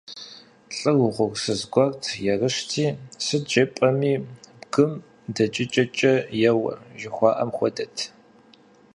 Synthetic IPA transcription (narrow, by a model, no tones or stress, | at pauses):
ɬʼɨwʷʊʁʷʊrsɨzɡʷɔrtʰjɛrɨʂtʰiːsɨd͡ʒɐpʼɐmiːbɡɨm | dɐt͡ʃʼɪt͡ʃʼɐt͡ʃʼɐjɛwɐ̰ʒɪxʷɑːʔɐmxʷɔdɐtʰ